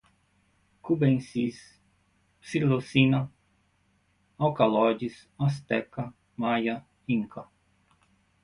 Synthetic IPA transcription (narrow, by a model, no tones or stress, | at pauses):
kubẽnsis | silosinɐ | awkalɔd͡ʒis | ɔs̬t̪ɛkɐ | majɐ | ĩŋkɐ